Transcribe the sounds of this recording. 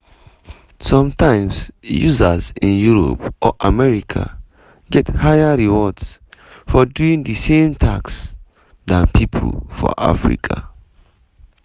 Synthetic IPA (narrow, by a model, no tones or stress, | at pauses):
sɔ̃mtãɪ̃msjuzazĩnjuɹo̰pʔɔʔamɛɹikʰa̰ | ɡɛthajaɹiwɔdsfɔduĩŋdəsẽmtʰa̰ks | dãnpʰipʰo̰lfɔ̰ʔa̰fɹḭkʰa